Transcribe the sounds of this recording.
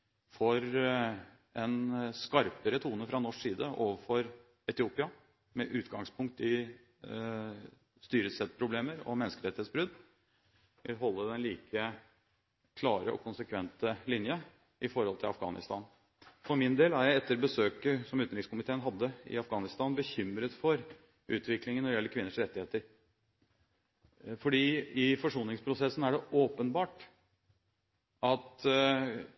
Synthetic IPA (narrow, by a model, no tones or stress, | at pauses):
fɔɾ | ɛnskɑɾpəɾət̪ʰuːnəfɾɑnɔʂsiːd̪əʔoːʋəɾfɔɾ | ɛt̪ɪuːpɪɑ | mɛʔʉːt̪ɡɑŋspʰʊŋk̚t̪ɪ | st̪yːɾəsɛt̪ːpʰɾʊbleːməɾɔ̰mɛnəskəɾɛt̪ːhet̪sbɾʉd̪ | ʋɪlɦɔlːəd̪ɛnliːkʰə | kʰlɑːɾəɔ̰kʰʊnsəkʰʋɛnt̪əlɪnjə | ʔɪfɔɾhɔlt̪ʰɪlɑfɡɑ̰ːnɪ̰st̪ɑːn | fɔɾmɪnd̪eːlæɾjæɪɛt̪ːəɾbəsøːkəsɔmʉːnɾɪkskʊmɪt̪ʰeːənɦɑd̪ːəɪ̰ɑfɡɑːnɪst̪ɑːnbəçʏmɾət̪fɔɾ | ʔʉ̰ːt̪ʰʋɪklɪŋənːɔɖɪɛlːəɾkʰʋɪnːəʂɾɛt̪ːɪheːt̪əɾ | fɔɖiːɪfɔʂuːnɪŋspʰɾʊsɛsn̩æɖɛʔoːpənbɑːʈ | ɑt̪